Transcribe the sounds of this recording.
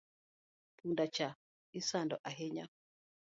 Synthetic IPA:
pʰundat͡ʃa | isandɔʔaɦɛɲa̰

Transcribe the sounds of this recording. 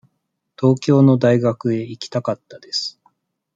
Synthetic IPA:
t̪o̞ːkʲo̞ːno̞d̪aiɡakɯ̟e̞ikʲi̥t̪akat̪ːad̪e̞sɨ̥

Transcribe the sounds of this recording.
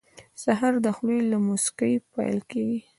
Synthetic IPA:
saɦaɾd̪əxlujlamoskəjpa̰jlkeɡi

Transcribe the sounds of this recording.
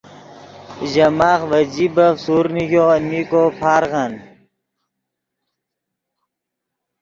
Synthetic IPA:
ʑɐmaːxʋɐd͡ʑibɐfsuːɾnikoɐnmikoːpʰaːɾɣan

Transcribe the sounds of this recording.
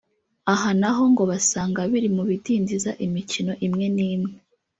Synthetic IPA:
aɦanaɦo̞ŋɡo̞βasaːŋɡaβiɾimuβidiːndizaʔimicino̞ʔimŋe̞niːmŋe

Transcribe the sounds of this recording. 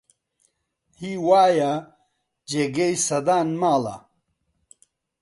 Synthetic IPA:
hiːwaːjɐ | d͡ʒeɡejsɐd̪aːnmaːlɐ̰

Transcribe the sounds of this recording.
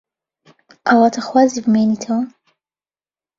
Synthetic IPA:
ʔawat̪ʰɐxwaːzibɨmenitʰɐwɐ

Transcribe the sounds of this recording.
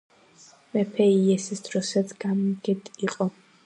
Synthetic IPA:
mɛpʰɛiɛsisd̪̥ɾɔsɛt̪sɡ̥amɡɛt̪ʼiqʼɔ

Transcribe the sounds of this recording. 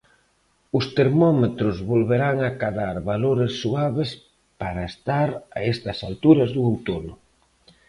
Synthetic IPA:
ʊst̪eɾmɔmet̪ɾʊzβolβeɾaŋakaðaɾβaloɾesːuaβes | paɾɐest̪aɾa̰est̪ɐsalt̪uɾɐzðuowt̪onʊ

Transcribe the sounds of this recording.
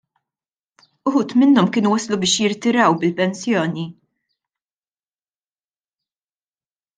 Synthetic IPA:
ʊħuːt̪mɪnːɔmkɪːnuwɐslubɪːʃjɪɾt̪ɪɾɐwbɪlpɛnsjɔːni

